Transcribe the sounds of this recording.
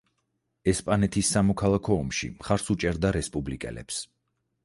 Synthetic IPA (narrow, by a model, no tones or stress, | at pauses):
ɛspʼanɛt̪ʰisːamɔkʰalˠakʰɔːmʃḭmχaɾsut͡ʃʼɛɾd̪aɾɛspʼublikʼɛ̰lɛ̰ps